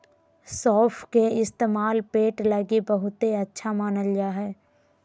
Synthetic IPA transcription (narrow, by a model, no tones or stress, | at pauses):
sɔːpʰkeɪst̪eːmaːlpeːʈləɡibəɦʊt̪ɦeɐtːʃʰamaːnəld͡ʒaːɦɛː